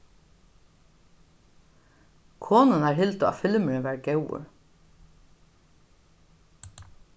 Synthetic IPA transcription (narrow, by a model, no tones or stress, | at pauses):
kʰɔːnənæːɹɦɪlt̪ʊa̰fɪlmʏɪnʋæːɾɡɛwʊ̰ɹ